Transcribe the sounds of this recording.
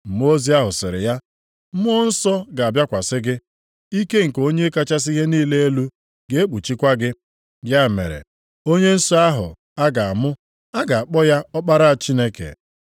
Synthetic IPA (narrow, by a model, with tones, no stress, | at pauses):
m̩˨m˦o˦zi˦a˦ɦʊ˨sɪ˨ɾɪ̰˨ja˦ | m̩˦mʊ˦n̩˦sɔ˦ɡa˨a˨bja˦kʷa˨sɪ˦ɡɪ˦ | i˦ke˦ŋ̩˨ko˦ɲe˦ka˦t͡ʃa˦s̬i˦ɦe˦niː˦le˦e˦lu˦ | ɡe˦e˦k͡pu˨t͡ʃi˦kʷa˦ɡɪ˦ | bja˦˨mḛ˨ɾḛ˨ | o˦ɲe˦n̩˦sɔ˦a˦ɦʊ̰˨ | a˦ɡa˨a˨mʊ˦ | a˦ɡa˨a˨k͡pɔ˦ja˦ɔ˦k͡pa˦ɾa˦a˨t͡ʃi˦ne˦kḛ˨